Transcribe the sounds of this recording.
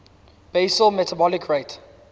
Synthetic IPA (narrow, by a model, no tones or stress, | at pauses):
b̥esəlmɛtʰabɔlikʰɹet